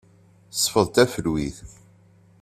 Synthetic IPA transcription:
sˤːfəðˤt̪æfəlwiθ

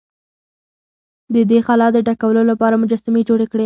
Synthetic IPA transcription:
d̪əd̪exalɑd̪əʈakawəlolapɑɾamʊd͡ʒɑsamed͡ʒoɽekɽe

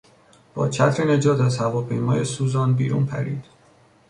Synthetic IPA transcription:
b̥ɒ̰ːt͡ʃʰæt̪ʰɾene̞d͡ʒɒːt̪ʰæzhævɒːpʰe̞jmɒːjesuːzɒːnbḭːɾṵːnpʰæ̰ɾḭːd̪̥

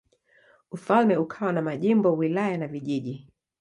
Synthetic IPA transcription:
ufalmɛukʰawanamaʄimbɔwilajanaviʄiʄi

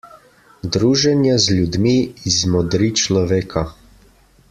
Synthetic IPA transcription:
d̪ɾuːʒɛnjazlʲud̪miizmɔd̪ɾit͡ʃlɔʋeːkʰa

